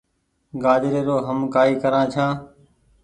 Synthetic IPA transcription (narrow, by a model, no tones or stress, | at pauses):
ɡaːd̪ɪɾeːɾoːɦəmkaːiːkəɾãːt͡ʃʰãː